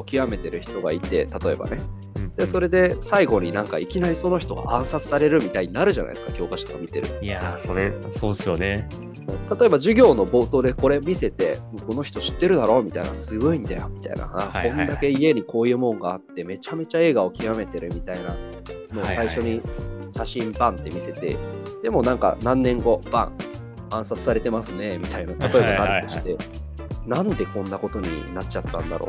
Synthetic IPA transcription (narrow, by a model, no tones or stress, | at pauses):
okʲiame̞t̪e̞ɾɯ̟çi̥t̪o̞ɡa̰it̪e̞̰t̪at̪o̞e̞̰ba̰ne̞ | d̪̥e̞so̞ɾe̞d̪e̞saiɡo̞ɲ̟inãŋkaikʲinaɾʲiso̞no̞çi̥t̪o̞ɡa̰ʔãɰ̃sat͡sɨ̥saɾe̞ɾɯ̟mʲit̪aiɲ̟inaɾɯ̟ʑana̰id̪eɨ̥kakʲo̞ːkaɕi̥t̪oka̰mʲit̪e̞ɾɯ̟̰asosoːd̪esɨjone | ɯ̃t̪at̪o̞e̞baʑɨɡʲo̞ːno̞bo̞ːt̪oːd̪e̞ko̞ɾe̞mʲise̞t̪e̞moko̞no̞çʲi̥t̪o̞ɕi̥t̪ːe̞ɾɯ̟d̪aɾo̞ːmʲit̪a̰ina̰sɨɡo̞ĩnd̪ajo̞mʲit̪a̰ḭna̰akõ̞nd̪ake̞ie̞ɲ̟iko̞ːjɯ̟ːmõ̞ŋɡaːt̪ːe̞me̞t͡ɕame̞t͡ɕae̞ːɡao̞kʲiβame̞t̪e̞ɾɯ̟mʲit̪aina̰ | mosaiɕo̞ɲ̟iɕaɕĩmbãnt̪ːe̞mʲise̞t̪e̞̰d̪̥e̞mo̞nãŋka̰nãnːẽ̞ŋɡo̞b̥ã̰ɴ̃ | ãɰ̃sat͡sɨ̥saɾe̞t̪e̞masɨne̞mʲit̪ainat̪at̪o̞e̞baat̪oɕit̪e̞ | nãnd̪e̞kõ̞nːako̞t̪o̞ɲ̟ḭnatt͡ɕat̪ːã̰nd̪a̰ɾo̞̰ː